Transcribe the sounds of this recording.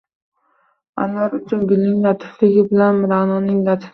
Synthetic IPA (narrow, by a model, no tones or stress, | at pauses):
a̰nɒɾʊt͡ʃʰʊnɡʲɪlnɪŋlat̪ʰɪ̥flɪɡʲɪbɪlanmɪɾanɒnɪŋlat̪ʰɪ̥